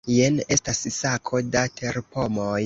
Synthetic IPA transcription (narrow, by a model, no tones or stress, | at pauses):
jene̞stassakʰo̞datʰe̞ɾpo̞moj